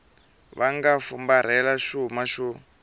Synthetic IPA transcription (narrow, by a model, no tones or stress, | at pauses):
βaŋɡafumbaɾ̤ɛlaʃumaʃu